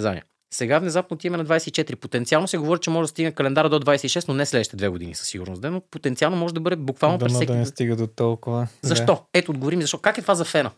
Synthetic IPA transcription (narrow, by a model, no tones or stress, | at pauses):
za̰nḭɛ | sɛɡafnɛzapnoːt̪imɛnɐd̪vajsɛit͡ʃɛt̪iɾipot̪ɛnt̪sialˠnosɛɡovɔɾʲit͡ʃɛmɔʒɛd̪ɐst̪iɡnɛkɐlɛnd̪aɾəd̪od̪vajsɛiʃɛst̪nonɛslɛd̪əʃit̪ɛd̪vɛɡod̪inḭsɐ̥sːiɡṵɾno̰sd̪ɛnopot̪ɛnt̪ialˠnomɔʒɛd̪ɐbɤd̪ɛbukvalˠnopɾɛssɛk̪nɛst̪iɡəd̪ot̪ɔlˠkʊvəzɐʃt̪ɔɛt̪oːd̪ɡovoɾimizɐʃt̪kakɛt̪vazɐfɛnə